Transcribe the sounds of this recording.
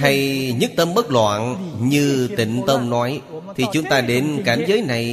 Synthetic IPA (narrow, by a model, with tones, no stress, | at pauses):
ha˧jɲɨ˦˥k̚t̪ə˧mɓə˦˥k̚lwa̰ː˧˨nɲɨ˧t̪ḭ̈˧˨ŋ̟t̪ə˧wŋ͡mnɔ˨˦jt̪ʰi˨˩t͡ɕʊ˨˦ŋ͡mt̪aː˧ɗe˨˦nkaː˧˩mzəː˨˦jna˨˩j